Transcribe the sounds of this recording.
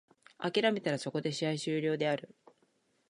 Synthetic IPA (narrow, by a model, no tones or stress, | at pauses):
akʲiɾame̞t̪aɾaso̞ko̞d̪e̞ɕiaiɕɨːɾʲo̞ːd̪e̞aɾɯ̟